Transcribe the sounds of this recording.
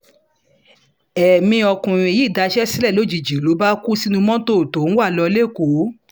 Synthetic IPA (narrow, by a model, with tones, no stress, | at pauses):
ɛ˨mĩ˧ɔ˧kũ˨ɾĩ˧˨ji˦˨da˨˧ʃɛ˦si˦lɛ˦˨lo˨˦˨d͡ʒi˨d͡ʒi˨lo˨˦ba˦ku˦si˦nũ˧mɔ̃˦to˦˨to˨˦wa˦˨lɔ˧le˦˨ko˨˦